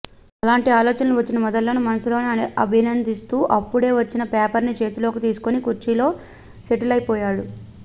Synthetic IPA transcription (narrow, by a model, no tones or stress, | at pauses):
ɐlaːɳʈiaːlɔːt͡ʃɐnɐluʋɐt͡ʃːinɐmɔd̪ɐlːɐnumɐnɐsulo̞ːnɐbʱinɐnd̪ist̪uːʔɐpːuɽe̞ːʋɐt͡ʃːinɐpeːpɐɾnit͡ʃe̞ːt̪ulo̞ːkit̪iːsu̥konikuɾt͡ʃilo̞ː | seʈulɐjipɔːjaːɽu